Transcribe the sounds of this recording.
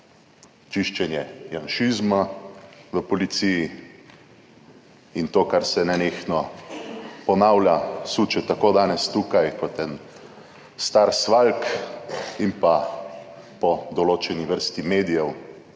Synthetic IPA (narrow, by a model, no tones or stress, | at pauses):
t͡ʃiʃt͡ʃɛnjɛjanʃizma | ʋəpɔlit̪siji | int̪oːkaɾsɛnɛnexnɔ | pɔnawljasuːt͡ʃɛt̪akoːd̪aːnɛst̪ukajkɔt̪ɛn | st̪aːɾsʋalk | impa | pɔd̪ɔloːt͡ʃɛniʋəɾst̪imeːd̪ijɛw